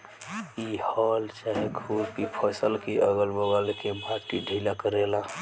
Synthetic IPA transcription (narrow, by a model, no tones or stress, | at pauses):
ihɔlt͡ʃaɦeɡʱuɾkipʰəsəlkeʔəɡəlbəɡəlkebad͡ʒkiɖʱilakəɾela